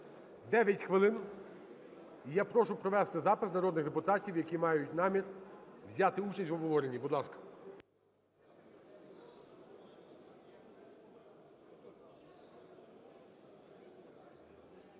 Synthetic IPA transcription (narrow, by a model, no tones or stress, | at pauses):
d̪ɛʋʲjɐtʲxʋɪlˠɪn | ijapɾɔʃʊpɾɔʋɛst̪ɪzɑpɪsnɐɾɔd̪nɪxd̪epʊt̪ɑtʲiwjɐkʲimɑjʊtʲnɑmʲirwzʲɑt̪ɪut͡ʃɐsʲtʲʋɔbɦɔʋɔɾenʲːibʊd̪lˠɑskɐ̥